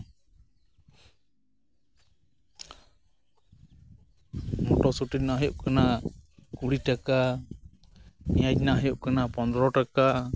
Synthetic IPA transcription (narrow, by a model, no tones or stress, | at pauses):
mɔʈɔsuʈitnaɦjɔʔkanakuɽiʈaka | mijad͡ʒnaɦjɔʔkanapɔnd̪ɾɔʈaka